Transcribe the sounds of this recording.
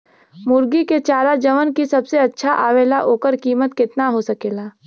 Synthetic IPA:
mʊɾɡiket͡ʃaːɾad͡ʒɐʋənkisɐbseɐtːʃʰaʔaːʋeːlaɦoːkəɾkiːmət̪kɪt̪naɦosɐkeːlaː

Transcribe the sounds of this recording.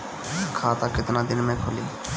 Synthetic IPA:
kʰat̪aket̪nad̪inmɛkʰoli

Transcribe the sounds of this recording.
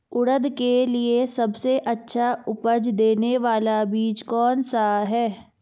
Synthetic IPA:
ʊɽəd̪keliesɐbseʔɐtːʃʰaʊpəd͡ʒd̪eːneʋaːlabiːt͡ʃkɔːnsaɦɛː

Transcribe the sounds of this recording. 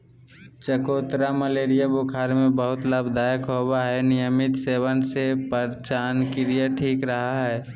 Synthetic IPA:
t͡ʃəkoːt̪ɾaməleːɾijabokʰaːɾmẽbəɦʊt̪ləbd̪aːjəkɦobaɦɛnɪjəmɪt̪seːʋənsepəɾt͡ʃaːnkilijəʈʰiːkɾəɦaɦɛː

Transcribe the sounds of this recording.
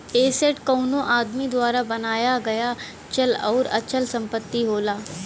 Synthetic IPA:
eːseʈkɔːnõʔaːd̪mid̪waːɾabɐnaːjaɡɐja | t͡ʃɐlɔːɾɐ̰t͡ʃəlsɐ̃mpət̪ːiɦoːlaː

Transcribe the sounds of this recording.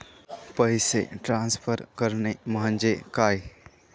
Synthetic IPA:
pəɪseʈɾãnspʰəɾkəɾneməɦə̃nd͡ʒekaːj

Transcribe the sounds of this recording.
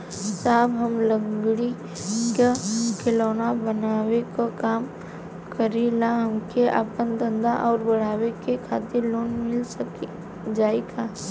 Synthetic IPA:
saːbɦəmlə̃ŋɡɽi | kakeloːnabənaːwekokaːm | kəɾelaɦəmkeʔa̰pənd̪ə̃nd̪aʔɔːɾbəɽ̤aːwekekʰaːt̪ɪɾloːnmɪlsək | d͡ʒaːeɡa

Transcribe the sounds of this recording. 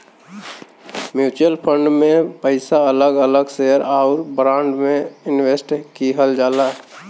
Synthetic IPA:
mjuːt͡ʃəlpʰə̃ɳɖmẽpəɪsaələɡələɡseəɾaʊɾbɾãːɳɖmẽɪnwesʈkiɦəld͡ʒaːlaː

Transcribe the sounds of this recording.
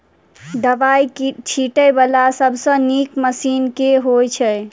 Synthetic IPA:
d̪əbajt͡ʃʰiʈəjbəlasəbʱsə̃nikməsinkeɦojt͡ʃʰə

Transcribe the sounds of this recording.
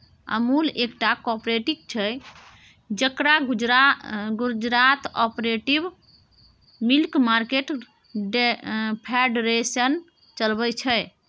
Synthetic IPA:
ə̰mulekʈakɔpɾeʈik̚t͡ʃʰɛ | d͡ʒəkɾaɡd͡ʒ | ɡud͡ʒɾat̪ɔpɾeʈib | milkmaɾkeʈ | ɖpʰeɖɾesən | t͡ʃəlbət͡ʃʰɛ

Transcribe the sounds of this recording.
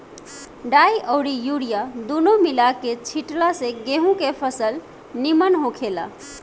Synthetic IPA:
ɖaiʔəʊɾijuɽijad̪unomilaket͡ʃʰiʈlasẽɡeɦũkepʰəsəl | nimənɦõkʰela̰

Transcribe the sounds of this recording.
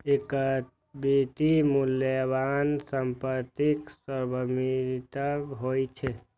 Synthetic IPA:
ekə | bet̪imuljəbansəmpət̪iksəɾbəmit̪əɦojt͡ʃʰɛ

